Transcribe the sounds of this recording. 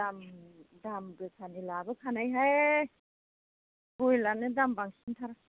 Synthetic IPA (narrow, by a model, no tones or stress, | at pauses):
amdamɡɯkʰanilabɯkʰanajɦaj | ɡojlanɯdambaŋsintʰaɾa